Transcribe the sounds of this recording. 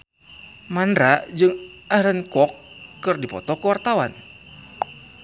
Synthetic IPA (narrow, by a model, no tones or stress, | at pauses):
mandɾad͡ʒɨŋʔahɾənkɔkːɨrdipɔ̰t̪ɔkəwart̪awa̰n